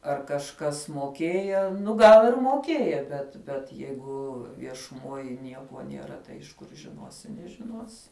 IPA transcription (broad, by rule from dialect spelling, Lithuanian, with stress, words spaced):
ɐr kɐʃˈkɐs moːˈkʲeːjɛ ˈnʊ ˈɡɐlˠ ɪr moːˈkʲeːjɛ bʲɛt bʲɛt ˈjɛɪɡʊ ʋʲiɛʃʊˈmoːj ˈnʲiɛkuɔ nʲiɛˈrɐ tɐɪ ɪʃ ˈkʊr ʒʲɪˈnuɔsʲɪ nʲɛʒʲɪˈnuɔsʲɪ